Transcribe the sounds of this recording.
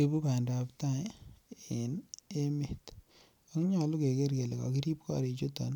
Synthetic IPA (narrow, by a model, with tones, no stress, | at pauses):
ebu˦ka˨ndapta˦˨ | ɪ˨neme˨t | a˦kɲɔ˨lʊ˦ke˨ke˦ɾke˨le˨kɔ̰˨ki˦ɾi˦p̚kɔ̰˦ɾe˨t͡ʃo˦tɔ̰˨n